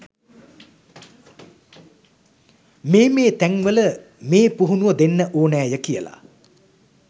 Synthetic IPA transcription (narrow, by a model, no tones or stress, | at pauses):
meːmeːt̪æŋʋələmeːpuɦunuʋəd̪enːəʔoːnæːjəkijəla̰